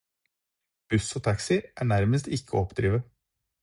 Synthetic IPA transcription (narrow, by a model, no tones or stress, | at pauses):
b̥ʉsoːt̪ʰɑksɪʔæːɳæɾməst̪ɪkʰːəɔpd̪̥ɾiːʋə